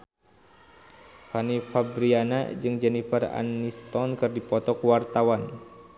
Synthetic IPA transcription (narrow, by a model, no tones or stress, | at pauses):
fanifabɾiana̰d͡ʒɨŋd͡ʒɛnifara̰nist̪ɔnkɨrdipɔt̪ɔkwart̪awan